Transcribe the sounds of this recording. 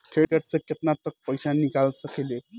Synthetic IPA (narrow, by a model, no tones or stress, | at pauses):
t̪ʰekəʈt͡səkʲət̪nat̪ək̚pəjsanikalsəkele